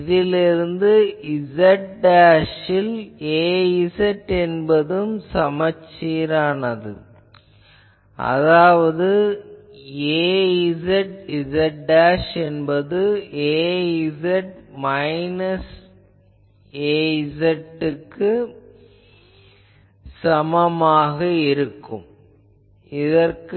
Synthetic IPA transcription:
iðɪlɪɾɯnd̪ɯɪzɐʈɖaːʂɪleːisɐʈːɛnbɐðɯmsɐmɐt͡ʃːiːɾaːnɐðɯ̰ | ʔɐ̰ðaːʋɐðɯ | eːiɪzɐʈɪzɐʈːaːʂɛnbɐðɯeːɪzɐʈmɐɪnɐs | eːɪsɐʈːɯkːɯ | sɐmɐmaːɣɐɪɾɯkːɯm | ɪðɐrk

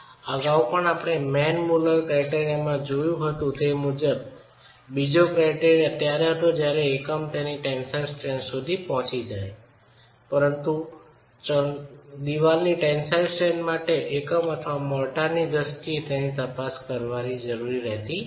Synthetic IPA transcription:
əɡaupəɳapɳ̃emɛnmuləɾkɾaiʈeɾijamãd͡ʒojũɦət̪ũt̪emud͡ʒəb | bid͡ʒokɾaʈeɾiət̪jaɾeɦət̪od͡ʒjaɾeːkəmt̪eniʈɛnsajlsʈɾeɳɖsud̪ʱipɔɦɔ̃t͡ʃid͡ʒaj | pəɾənt̪u | t͡ʃəd̪iʋalniʈẽnsalsʈɾeɳɖmaʈeʔekəmət̪ʰəʋamɔlʈanid̪əst̪iet̪enit̪əpaskəɾʋanid͡ʒəɾuɾiɾɛɦt̪i

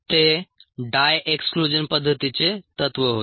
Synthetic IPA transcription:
t̪eɖajeksklud͡ʑənpəd̪ʱːət̪it͡set̪ət̪ʋəɦot̪

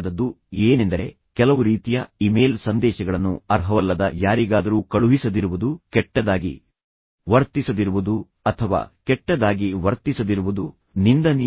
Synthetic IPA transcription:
d̪ɐd̪ːu | eːnend̪ɐɾe̞̰ | kɛlɐʋuɾiːt̪ijɐime̞ːlsɐnd̪ɛːʃɐɡɐɭɐnːuɐɾɦɐʋɐlːɐd̪ɐjaːɾiɡaːd̪ɐɾuːkɐɭuɦisɐd̪iɾuʋud̪ukɛʈːɐd̪aːɡḭ | ʋɐɾt̪isɐd̪iɾuʋud̪u | ɐt̪ʰɐʋa̰ːkɛʈːɐd̪aːɡiʋɐɾt̪isɐd̪iɾuʋud̪u | nind̪ɐni

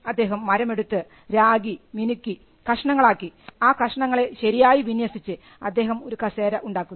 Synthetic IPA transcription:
ɐd̪ːe̞ːɦɐmːɐɾɐme̞ɽut̪ːɨ | ɾaːɡiminukːi | kɐʂɐɳɐŋːɐɭaːkːiaːkɐʂɐɳɐŋːɐɭe̞ɕɐɾijaːjiʋinjɐsit͡ɕːɨ | ɐd̪ːe̞ːɦɐmo̞ɾukɐse̞ːɾɐʔuɳɖaːkːun

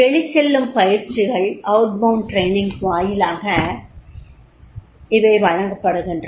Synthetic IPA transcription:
ɛɭɪt͡ʃːɛlːɯmpɐjɪɾt͡ʃɪɣɐɭɐʊʈ̚bɐʊɳʈɾeːnɪŋɡʋaːjɪlaːɣɐ | ɪʋɐɪʋɐɻɐŋɡɐpːɐɽɯɣɪndr

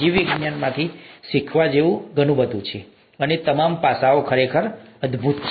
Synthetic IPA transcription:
iʋiɡnjanmãt̪ʰiʃikʰʋad͡ʒeʋũɡənũbət̪ũt͡ʃʰe | ənet̪əmampasaokʰəɾekʰəɾəd̪bʱut̪t͡ʃ

